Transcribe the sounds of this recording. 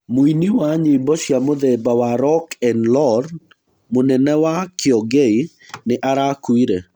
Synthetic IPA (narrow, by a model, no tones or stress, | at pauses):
moiniwaɲeboʃjamoðɛbawaɾɔkɛnlɔɾ | monɛnɛwakɪɔɡei | nɪʔaɾakwiɾe